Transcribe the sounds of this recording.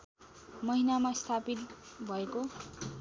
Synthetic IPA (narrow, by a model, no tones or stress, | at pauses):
mʌɦinamast̪ʰapit̪̚bʱʌeko